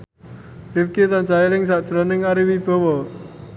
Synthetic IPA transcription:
ɪfkit̪ant͡ʃailɪŋs̬aʔd̥ʒ̥ɾanɪŋaɾiwib̥ɔ̤wɔ

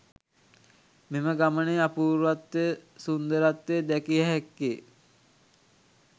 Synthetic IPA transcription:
meməɡaməneapuːɾʋat̪ːesund̪əɾat̪ːeːd̪ɛkiəɦɛkːe

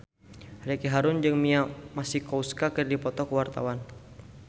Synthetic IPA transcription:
ɾakiɦaɾʊnd͡ʒɨŋmiamasihkouskakərdipɔt̪ɔkəwart̪a̰wan

